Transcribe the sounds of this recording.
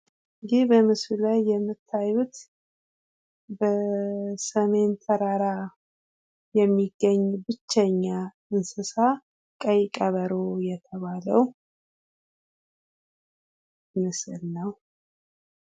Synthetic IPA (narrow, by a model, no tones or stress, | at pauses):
ɡibəmɨslajːɛmːɨt̪ʰːajːut̪ | bəsəme̞nt̪ʰəɾaɾa | jɛmːiɡːəɲːbɨt͡ʃːɛɲːa | ɨnsɨsa | kʼəjkʼəβəɾojɛt̪ʰəβaləw | mɨsɨlnəw